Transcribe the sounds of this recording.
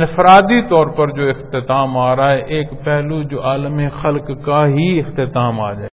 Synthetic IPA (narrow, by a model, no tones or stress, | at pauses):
nɪfɾaːd̪it̪ɔːɾpɐɾd͡ʒoːɪxt̪ɪt̪aːmaːɾaɦɛʔeːkpɛɦlud͡ʒoːʔaːlmexɐlkkaɦiɪxt̪ɪt̪aːma̰ːd͡ʒa̰ːe